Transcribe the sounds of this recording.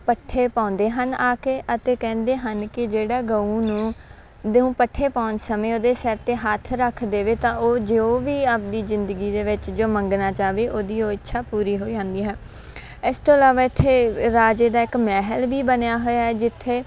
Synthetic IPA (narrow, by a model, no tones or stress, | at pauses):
pəʈʰːeːpãːnd̪eːɦənaːkeːʔət̪eːkɛ̃ːnd̪eːɦənkɪd͡ʒeːɽaːɡəũːnũː | d̪ũːpəʈʰːeːpãːʊnd͡ʒsəmẽːoːd̪eːsəɾt̪eːɦaːt̪ʰɾəkʰd̪eːʋeːt̪ãːʔoːd͡ʒeoːʋiːaːp̚d̪iːzɪnd̪əɡiːd̪eːʋɪt͡ʃd͡ʒoːmə̃ŋɡnaːt͡ʃaːʋeːʔoːd̪iːoːɪtːʃʰaːpuːɾiːɦoːid͡ʒãːnd̪iːɦɛː | ɪst̪oːlaːʋaːɪt̪ʰːeːɾaːd͡ʒeːd̪aːɪkmɛːɦəlʋiːbənjaːɦoːjaːɛːd͡ʒɪt̪ʰːeː